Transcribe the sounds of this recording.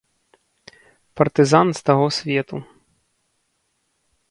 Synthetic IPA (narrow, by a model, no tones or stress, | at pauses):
pɐrt̪ɨzanst̪aɣɔsʲvʲɛt̪u